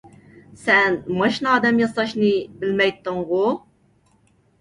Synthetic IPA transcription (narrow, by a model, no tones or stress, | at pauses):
sænmæʃnd̪æmjəsˤɑʃnibəlmæjt̪ˤːənʁo